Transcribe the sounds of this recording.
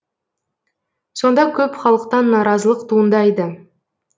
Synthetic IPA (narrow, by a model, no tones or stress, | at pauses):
so̞nd̪ɑkʲʰɵpχɑlˠəqt̪ɑnːɑɾɑzəlˠəqt̪ʰuənd̪ɑjd̪ə